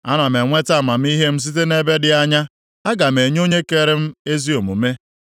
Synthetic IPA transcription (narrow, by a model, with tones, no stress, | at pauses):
a̰˦na˨me˨ŋʷe˦ta˦˨ma˨m̩˦i˦ɦe˦m̩˦s̬i˦t̬e˦ne˦be˦dɪ˨a˦ɲa˦ | a˦ɡa˨m̩e˨ɲ˦o˦ɲe˦ke˦ɾɪ˦m̩˦e˦zi˦o˨mu˨me˦